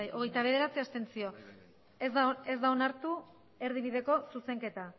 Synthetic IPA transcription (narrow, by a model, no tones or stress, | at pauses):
jʔo̞ɣejt̪aβ̞e̞ðe̞ɾat͡siast̪e̞nt͡sio̞ | eze̞zd̪aonaɾt̪u | e̞ɾðiβ̞iðe̞ko̞suse̞ŋke̞t̪a